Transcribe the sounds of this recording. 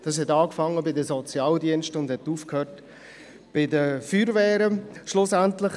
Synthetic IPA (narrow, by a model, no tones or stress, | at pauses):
d̥ɑːs̬ɦɛtɑːkfɑŋːəbɪdəsɔt͡sjɑːldiənʃtʊndhɛtuːfkhøːt | b̥ɪdəfyːɾvɛːɾəʃlʊsæntlɪχ